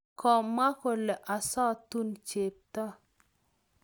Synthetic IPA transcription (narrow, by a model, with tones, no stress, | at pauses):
kɔ˨mːa˦ko˨lɛ˨ʔa˨sɔ˦t̪u˦nt͡ʃe˨p̚t̪ɔ˦